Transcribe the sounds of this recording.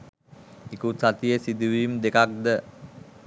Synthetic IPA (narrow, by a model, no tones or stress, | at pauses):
ikusat̪ijesid̪uʋiːmd̪ekak̚d̪ə